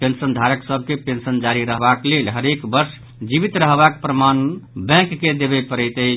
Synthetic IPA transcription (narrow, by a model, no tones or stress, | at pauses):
pensənd̪ʱaɾəksəbʱkepensənd͡ʒaɾiɾəɦbaklelɦəɾekbəɾs | d͡ʒibit̪ɾəɦbakpɾəmanbɛ̃kːed̪ebɛpəɾɛjt̪əɦ